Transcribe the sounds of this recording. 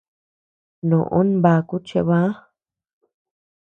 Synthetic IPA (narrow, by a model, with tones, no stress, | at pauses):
nõ˨ʔõ˦nba˧ku˦t͡ʃe˧βã˦